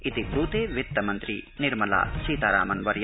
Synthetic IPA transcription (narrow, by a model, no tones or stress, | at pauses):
it̪ibɾuːt̪eːʋjit̪ːɐmɐnt̪ɾiniɾmɐla̰ːsiːt̪aːɾa̰ːmɐnʋɐɾj